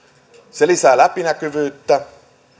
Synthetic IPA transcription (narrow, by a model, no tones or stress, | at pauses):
sɛlisalapinakøvøt̪ːa